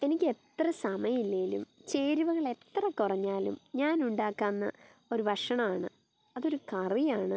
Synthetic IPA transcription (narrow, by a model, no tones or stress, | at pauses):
e̞nikʲːe̞t̪rɐsɐmɐjɐmilːeːlṵmt͡ɕe̞ːɾiʋɐɣɐɭe̞t̪ːrɐkːurɐɲːaːlṵmɲaːnuɳɖaːkːaːnːɐ | o̞ɾubʱɐʂɐɳɐmaːɳɨ | ɐðo̞ɾukɐrijaːɳɨ